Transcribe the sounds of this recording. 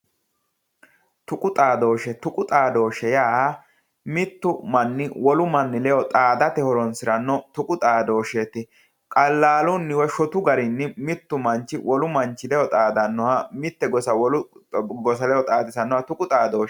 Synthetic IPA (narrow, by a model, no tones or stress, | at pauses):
t̪ʊkʼʊt̪ʼaːd̪o̞ːʃɛt̪ʊkʼʊt̪ʼaːd̪o̞ːʃɛjaː | mɪt̪ːʊmɐnːɪwɔlʊmɐnːɪlɛjɔt̪ʼaːd̪ɐt̪ɛhɔɾɔnsɪɾɐnːɔt̪ʊkʼʊt̪ʼaːd̪o̞ːʃet̪ːɪ | kʼɐlːaːlʊnːɪwɔʃɔt̪ʊɡɐɾɪnːɪmɪt̪ːʊmɐnt͡ʃːɪwʔɔlʊmɐnt͡ʃːɪlɛjɔt̪ʼaːd̪ɐnːɔwɐmɪt̪ːɛɡɔsɐwɔlʊɡɔsɐlɛjɔt̪ʼaːd̪ɪsɐnːɔɐt̪ʊkʼʊt̪ʼaːd̪oːʃ